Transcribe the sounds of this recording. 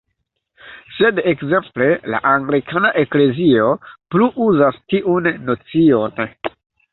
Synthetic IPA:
se̞dekze̞mple̞la̰ʔaŋɡlikʰanaʔe̞kle̞zio̞pluʔuzastiʔunːo̞t͡sio̞n

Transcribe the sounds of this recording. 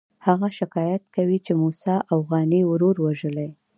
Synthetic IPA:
haɣaʃɪkɑjat̪̚kawit͡ʃemusɑʔawɣɑniwɾoɾwaʒəlaj

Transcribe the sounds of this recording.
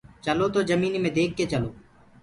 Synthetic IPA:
t͡ʃəloːt̪oːd͡ʒəmiːnimẽːd̪eːk̚ʰːet͡ʃəloː

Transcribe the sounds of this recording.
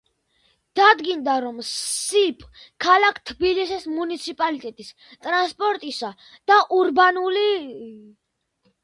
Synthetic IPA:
d̪̥ad̪ɡind̪aɾɔmsipʼkʰalakʰt̪ʰbilisismunit̪sʰipʼalit̪ʼɛt̪ʼis | t̪ʼɾanspʼɔɾt̪ʼisa | d̪̥aʔuɾbanuli

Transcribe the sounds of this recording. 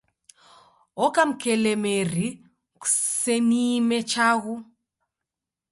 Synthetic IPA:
ɔkam̩kɛlɛmɛri | ku̥sɛnimɛt͡ʃaɣu

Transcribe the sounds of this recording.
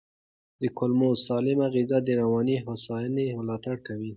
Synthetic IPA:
d̪əkʊlmosɑlɪmaɣizad̪əɾawɑniɦasɑjaneməlɑt̪aɽkawi

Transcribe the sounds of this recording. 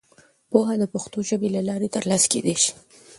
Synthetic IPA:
poɦad̪əpaxt̪oʒəbelalɑɾet̪əɾlɑskḛd̪eʃi̥

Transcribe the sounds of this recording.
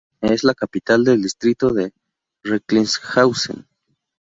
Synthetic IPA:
eslakapit̪ald̪eld̪ist̪ɾit̪oðe | reklinsxawsḛn

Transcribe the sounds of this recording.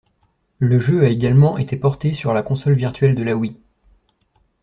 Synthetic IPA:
ləʒøaeɡalmɑ̃ʔet̪epɔʁt̪esyʁlakɔ̃sɔlviʁt̪ɥɛld̪əlawi

